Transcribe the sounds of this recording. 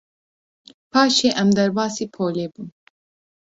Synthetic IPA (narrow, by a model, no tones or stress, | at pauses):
pʰɑːʃeːʔɛmd̪ɛɾbɑːsiːpʰoːleːbun